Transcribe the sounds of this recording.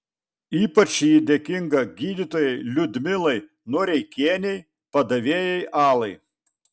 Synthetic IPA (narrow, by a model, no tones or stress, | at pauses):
iːpɐt͡ʃʲjid̪ʲeːkʲɪŋɡɐɡʲiːd̪ʲɪt̪oːjɛɪlʲʊd̪ʲmʲɪlˠɐɪ | nuɔɾʲɛɪkʲeːnʲɛɪ | pɐd̪ɐʋʲeːjɛɪʔɑːlˠɐɪ